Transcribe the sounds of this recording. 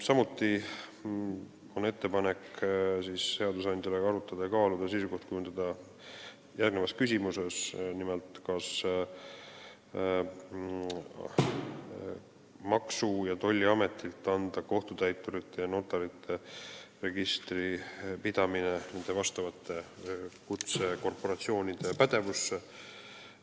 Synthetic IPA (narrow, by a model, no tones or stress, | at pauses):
sɑmut̪ːˑi | one̞t̪ːe̞pɑne̞ksisːe̞ɑd̪usɑnd̪̥ʲjɑleɑɾut̪ːˑɑd̪̥ɑjɑkɑːlud̪̥ɑsejsuko̞ht̪̚kujund̪ɑd̪ɑ | jærɡnevɑskysʲimuse̞snimɛlt̪kɑs | mɑksujɑt̪o̞lʲːiɑme̞t̪ːˑilt̪ːˑɑnd̪ɑko̞ht̪ut̪æjt̪ːˑuɾit̪ːe̞jɑno̞t̪ːˑɑɾit̪ʰːˑe̞re̞ɡist̪ripid̪̥ɑminene̞nd̪̥e̞vɑst̪ɑvɑt̪ːˑe̞kut̪se̞ko̞rpo̞ɾɑt̪sio̞ːnʲid̪̥e̞pæd̪̥e̞vusːe